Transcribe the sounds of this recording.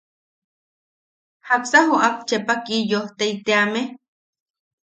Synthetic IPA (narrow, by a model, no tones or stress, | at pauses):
haksaɦuʔap̚t͡ʃepakijoht̪eit̪eame